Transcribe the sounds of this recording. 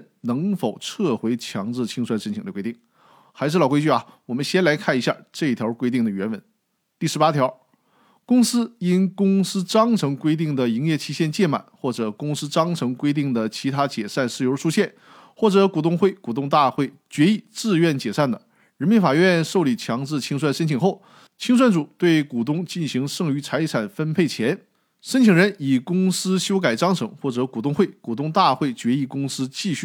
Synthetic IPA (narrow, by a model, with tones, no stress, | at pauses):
nɤ˧˥ŋfo˨˩ʊʈ͡ʂʰɤ˥˩xwe˧˥ɪt͡ɕʰjɑ˧˥ŋʈ͡ʂɻ̩˥˧˩t͡ɕʰi˥ŋʂwa˥nʂə˥nt͡ɕʰi˨˩ŋd̪ə˧kwɪt̪i˥˩ŋ | xa˧˥ɪʂɻ̩˥˩lɑ˨˩kwɪt͡ɕy˥˩ɐ˨˩wɔ˨˩mə˦nɕjɛ˥nla˧˥ɪkʰa˥˩ni˧˥ɕja̰˥˧ʈ͡ʂɤ˥˧i˥˩t̪ʰjɑ˧˥ʊkwe˥ɪt̪i˥˩ŋd̪ə˩ɥɛ˧˥nwə˧˥˦n | t̪i˥˩ʂɻ̩˧˥pa˥t̪ʰjɑ˧˥ʊ | kʊ˥ŋsɹ̩˥i˥nkʊ˥ŋsɹ̩˥ʈ͡ʂɑ˥ŋʈ͡ʂʰɤ˧˥ŋkwe˥ɪt̪i˥˩ŋd̪ə˩i˧˥ŋjɛ˥˩t͡ɕʰi˧˥ɕjɛ˥˧nt͡ɕjɛ˥˩ma̰˨˩˦nxwɔ˥˩ʈ͡ʂɤ˨˩kʊ˥ŋsɹ̩˥ʈ͡ʂɑ˥ŋʈ͡ʂʰɤ˧˥ŋkwe˥ɪt̪̬i˥˩ŋd̪ə˩t͡ɕʰi˧˥t̪ʰa˥t͡ɕjɛ˨˩ʂa˥˧nʂɻ̩˥˩jo˧˥ʂu˥ɕjɛ˥˧n | xwɔ˥˩ʈ͡ʂɤ˧˥ku˨˩t̪̬ʊ˥˧ŋxwe˥˩ɪku˨˩t̪ʊ˥˧ŋt̪a˥˧xwe˥˩ɪt͡ɕɥɛ˧˥i˨˩t͡sɹ̩˥˧ɥɛ˥˩nt͡ɕjɛ˨˩ʂa˥˩nd̪ə˩ | ɻə˧˥nmi˧˥nfa˨˩ɥɛ˥˧nʂo˥˩ʊli˨˩t͡ɕʰjɑ˧˥ŋʈ͡ʂɻ̩˥˩t͡ɕʰi˥ŋs̬wa˥˩nʂə˥nt͡ɕʰi˨˩ŋxo˥˩ʊ | t͡ɕʰi˥ŋs̬wa˥˩nʈ͡ʂu˨˩˦t̪we˥˩ɪku˨˩t̪̬ʊ˥ŋt͡ɕi˥˩nɕi˧˥ŋʂɤ˥˩ŋy˧˥t͡sʰa˧˥ɪʈ͡ʂʰa˨˩nfə˥npʰe˥˩ɪt͡ɕʰjɛ˧˥n | ʂə˥nt͡ɕʰi˨˩ŋɻə˧˥ni˨˩kʊ˥ŋsɹ̩˥ɕjo˥ʊka˨˩ɪʈ͡ʂɑ˥ŋʈ͡ʂʰɤ˧˥ŋxwɔ˥˩ʈ͡ʂɤ˧˥ku˨˩t̪ʊ˥˧ŋxwe˥˩ɪku˨˩t̪ʊ˥ŋt̪a˥˧xwe˥˩ɪt͡ɕɥɛ˧˥i˧˥˩kʊ˥ŋsɹ̩˥t͡ɕi˥˧ɕy˥˩